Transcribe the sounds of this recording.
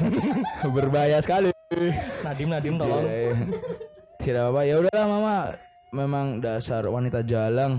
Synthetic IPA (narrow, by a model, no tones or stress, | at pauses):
bərbajasə̥kalinadɪmnadɪmt̪olɔŋa | tiɾabapajaudaɦlahmama | memaŋdasarwanit̪ad͡ʒalaŋ